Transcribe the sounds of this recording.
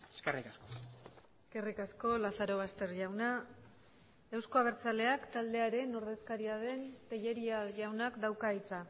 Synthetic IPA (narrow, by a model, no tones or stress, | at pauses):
eskerikaskoeske̞rikasko̞laθaɾo̞β̞ast̪e̞ɾʝawna | ewsko̞aβ̞e̞ɾt͡sale̞akt̪ald̪e̞aɾe̞no̞ɾðe̞skaɾiað̞e̞nt̪e̞ʎe̞ɾiaʝawnakd̪awkait͡sa